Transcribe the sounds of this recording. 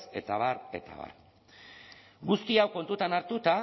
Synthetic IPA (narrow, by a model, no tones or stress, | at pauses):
se̞t̪aβaɾe̞̰t̪a̰βa̰r | ɡust̪iawko̞nt̪ut̪anaɾt̪ut̪a